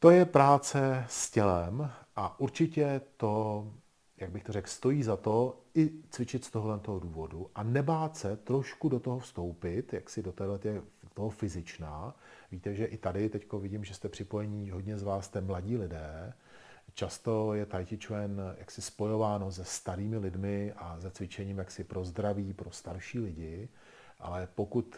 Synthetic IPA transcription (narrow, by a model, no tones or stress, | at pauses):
t̪o̞jɛpɾaːt͡sɛscɛlɛmʔaʔuɾt͡ʃɪcɛt̪o̞ | jaɡ̚bɪxt̪orɛkst̪o̞jiːzat̪o̞ɪt͡svɪt͡ʃɪt̪st̪oɦolɛnt̪oɦoduːvo̞duʔanɛbaːt̪sɛt̪ɾo̞ʃkudot̪o̞ɦofst̪o̞wpɪt̪jaksɪdot̪ɛːdlɛt̪ɪɛdot̪oɦofɪzɪt͡ʃnaːviːt̪ɛʒɛʔɪt̪adɪt̪ɛcko̞vɪɟiːmʒɛst̪ɛpr̥ɪpojɛɲiːɦo̞dɲɛzvaːst̪ɛmlaɟiːlɪdɛː | t͡ʃast̪o̞jɛt̪ajcɪt͡ʃvɛnja̰ksɪspo̞jo̞vaːno̞zɛst̪aɾiːmɪlɪdmɪʔazɛt͡svɪt͡ʃɛɲiːmjaksɪpɾo̞zd̪ɾaviːpɾo̞st̪aɾʃiːlɪɟɪ | ʔa̰lɛpo̞kut̪